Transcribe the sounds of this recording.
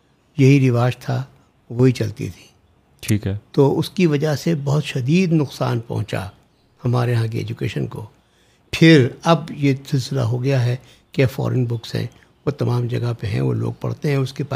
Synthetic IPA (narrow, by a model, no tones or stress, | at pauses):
jɐɦiɾɪʋaːʃt̪ʰa | ʋoɦit͡ʃɐlt̪ḭt̪ʰi̥ː | ʈʰiːkɦɛt̪oːʊskiʋɐd͡ʒasebɐɦʊt̪ʃɐd̪iːd̪nʊqsa̰ːnpɐ̰ɦʊ̃t͡ʃa̰ | hɐmaːɾeɦãk̬iɛ̰ːd͡ʒukḛːʃənko̰ | pʰɪɾɐbjesɪlsɪla̰ɦoɡɐjaɦɛ | kafɔ̰ːɾənbʊksɦɛ̰̃ | ʋot̪ɐmaːmd͡ʒɐɡapeɦɛ̰̃ʋo̰lo̰ːɡ̚pɐ̰ɽ̤t̪eɦɛ̃ʊskepa